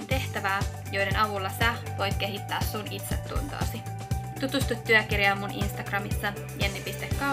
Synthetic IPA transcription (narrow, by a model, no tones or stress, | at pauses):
t̪e̞ht̪æʋæː | jo̞jde̞nɑʋulːɑsæ | ʋo̞jt̪̚k̟e̞ɦit̪ːæːssunit̪sḛt̪ːṵnt̪ɑ̰ːsi | t̪ut̪ust̪ut̪ːyøkirjɑːmːunʔinst̪ɑɡ̥rɑmisːɑ | jænːipist̪ekːɑ